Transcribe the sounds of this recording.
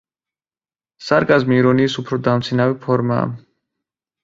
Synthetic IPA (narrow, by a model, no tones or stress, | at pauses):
saɾkʼazmiːɾɔniːsupʰɾɔd̪amt̪sʰinavipʰɔɾma̰ː